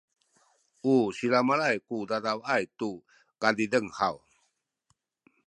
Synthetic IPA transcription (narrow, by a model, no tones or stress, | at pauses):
ʔusilamalajkudadawajtu | kadidəŋhaw